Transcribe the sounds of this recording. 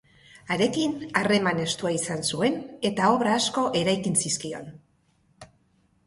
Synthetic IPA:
aɾe̞kinare̞mane̞st̪uaisansue̞ne̞t̪ao̞βɾaːsko̞ʔe̞ɾajkinsiskio̞n

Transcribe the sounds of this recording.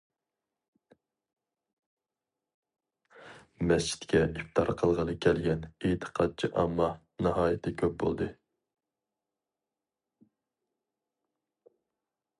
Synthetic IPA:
mɛst͡ʃʰi̥t̪kʲɛʔift̪ʰɑɾqʰəlˠʁɑnɨkʲʰɛlɡʲɛnet̪ʰə̥qʰɑd̪̚t͡ʃʰɪʔɑmːɑ | nɨɦɑːjɛt̪ʰːɛkʲʰøp̚bo̰lˠd̪ɨ

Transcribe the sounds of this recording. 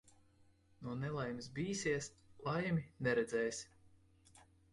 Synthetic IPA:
nuɔnɛlˠajms̬biːsiɛs | lˠajmʲinɛɾɛd̪zɛːjsʲ

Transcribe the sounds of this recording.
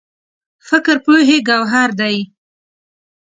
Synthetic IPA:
fɪkɾpoɦeɡawɦaɾd̪aj

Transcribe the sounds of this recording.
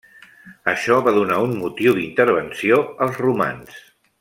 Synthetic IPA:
əʃɔβaðunaummut̪iwðint̪əɾβ̞ənsioəlˠzruma̰ns

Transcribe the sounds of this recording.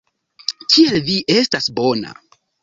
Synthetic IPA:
kʰielviʔe̞stasbo̞na̰

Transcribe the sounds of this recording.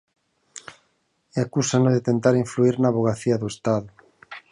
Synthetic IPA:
eakusanoðɪt̪ent̪aɾiɱfluiɾnaːβoɣ̞aθiɐðuest̪aðʊ

